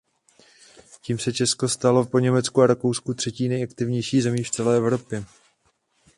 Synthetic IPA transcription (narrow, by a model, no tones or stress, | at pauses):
ciːmsɛt͡ʃɛsko̞st̪alo̞po̞ɲɛmɛt͡skuaɾako̞wskut̪r̝̥ɛciːnɛjʔakt̪ɪvɲɛjʃiːzɛmiːft͡sɛlɛːʔɛvɾo̞pjɛ